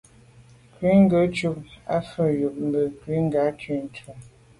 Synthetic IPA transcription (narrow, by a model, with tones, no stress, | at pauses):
kwi˨˦ŋ̩˦ɡə˨˦t͡ʃu˦p̚a̰˦fə˦˨ju˨p̚m̩˦bə˨kwi˨˦ŋ̩˦ɡa˨˦t͡ʃi˦˨n˨˦t͡ʃu˨